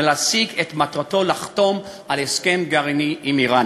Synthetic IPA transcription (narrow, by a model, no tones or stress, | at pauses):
lasiɡet̪mat̪ʁato̞laχt̪o̞m | alheske̞mɡaʁiniʔimiʁan